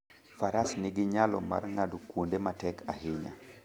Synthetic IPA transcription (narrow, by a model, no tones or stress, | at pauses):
faɾasnɪɡɪɲalɔ̰ma̰rŋadukwondematɛkʰaɦɪɲa̰